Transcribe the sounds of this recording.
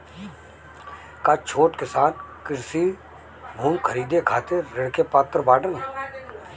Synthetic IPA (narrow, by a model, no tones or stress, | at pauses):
kat͡ʃʰoːʈkɪsaːnkɪɾsi | bʱuːmkʰəɾiːd̪ekʰaːt̪eːɪɽkepaːt̪ɾbaːʈən